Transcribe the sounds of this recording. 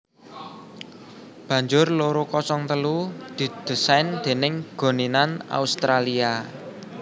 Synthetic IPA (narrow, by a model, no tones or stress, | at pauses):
b̥ä̤ɲd͡ʒʊrloɾokɔsɔŋt̪əlud̪̥i̤d̪̥ə̤sand̪̥e̤nɪŋɡ̥o̤ninana̰ust̪ɾalia